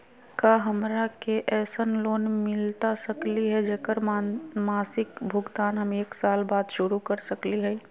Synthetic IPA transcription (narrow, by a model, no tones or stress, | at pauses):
kaɦəmɾakeʔɛːsənloːnmɪlt̪asəkliɦɛd͡ʒeːkəɾmaːsɪkbʱʊɡt̪aːnɦəmeːksaːlbaːd̪ʃʊɾukəɾsəkliɦɛ